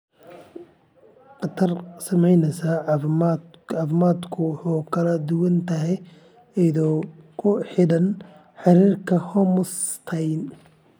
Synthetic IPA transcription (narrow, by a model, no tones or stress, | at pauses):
qɑt̪ʰɐrsɐmɛjnɛsaːmːɑːfmaːd̪kʰʊwħuːkʰɐlɐd̪ʊwɐnt̪ʰɐɦɛj | ɛjðɔkʰʊħɪɽɐn | ħɑɾiːrkʰɐhɔmʊst̪ʰɐjn